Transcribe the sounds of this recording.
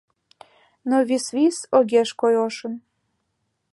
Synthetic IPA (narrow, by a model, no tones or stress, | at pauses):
noβisvisoɣeʃkojoʃən